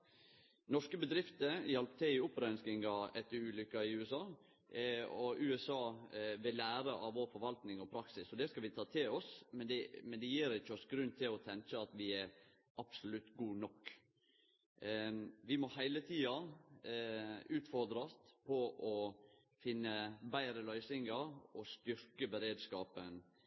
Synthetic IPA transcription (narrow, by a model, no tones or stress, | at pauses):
nɔʂkəbəd̪ɾɪft̪əjɛlpət̪ʰɛɪʊpːɾœnskɪŋɑɛt̪ːəɾʉːlʏkːɑɪʉːɛsɑː | ɔʔʉːɛsɑːʋɛlæːɾəʔɑʋʋoːɾfɔɾʋɑlt̪nɪŋɔpʰɾɑksɪsɔd̪ɛskɑlʋɪt̪ʰɑːt̪ʰɪlɔsmɛnd̪ɛmɛnd̪ɛjiːɾɪçːəɔsɡɾʉnt̪ʰɪlɔt̪ʰɛŋt͡ʃəɑt̪ʋɪɛɾ | ʔɑb̥sʊlʉt̪ːɡuːnɔkː | ʋɪmɔhæɪlət̪ʰiːɑ | ʉːt̪fɔɾd̪ɾɑst̪pʰɔʔɔ | fɪnːəbæɪɾəlœʏsɪŋəɾɔst̪ʏɾkəbəɾeːd̪skɑːpən